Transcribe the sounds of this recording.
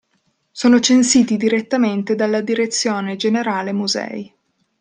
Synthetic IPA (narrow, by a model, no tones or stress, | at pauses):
soːnot͡ʃensiːt̪id̪iɾet̪ːament̪ed̪alːad̪iɾet̪sːjoːned͡ʒeneɾaːlemuzɛ̰i